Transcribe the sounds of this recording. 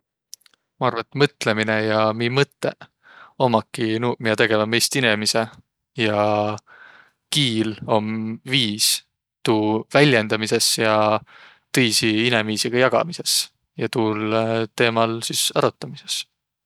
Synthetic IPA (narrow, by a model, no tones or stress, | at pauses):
mɑɑrvɑet̪mɤt̪ːˑle̞mine̞jɑmimɤt̪ːˑe̞̰ | o̞mɑkːinuːmijɑt̪e̞ɡe̞vɑmejst̪inemise | jɑ | kiːlo̞mviːs | t̪uːvælʲje̞nd̪̥ɑmise̞sjɑ | t̪ɤjsiinemviːsiɡ̥ɑjɑɡ̥ɑ̰mise̞s | jɑt̪uːlt̪e̞ːmɑlsisɑɾut̪ːˑɑmise̞̥s